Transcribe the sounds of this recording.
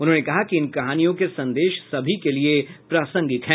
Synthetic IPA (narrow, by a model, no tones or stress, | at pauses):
ʊnɦõːnekɐɦakiɪnkɐɦaːnijõkesɐ̃nd̪eːʃsɐbʱikeliepɾaːsə̃ŋɡɪt̪ɦɛ̃ː